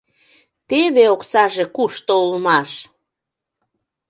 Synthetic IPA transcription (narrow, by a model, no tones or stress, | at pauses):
t̪eβeoksɑʒekuʃt̪ouləmɑʃ